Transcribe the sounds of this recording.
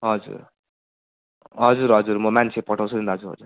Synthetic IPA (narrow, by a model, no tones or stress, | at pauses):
ɦʌd͡zṵɾ | ɦʌd͡zuɾɦʌd͡zuɾmʌmansʰepʌʈʰaw̃t͡sʰutund̪aɦʌd͡zuɾɦʌ̰d͡zuɾ